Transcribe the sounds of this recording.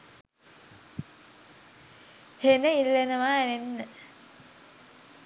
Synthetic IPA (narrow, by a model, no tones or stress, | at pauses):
henəilːenəʋaenenːə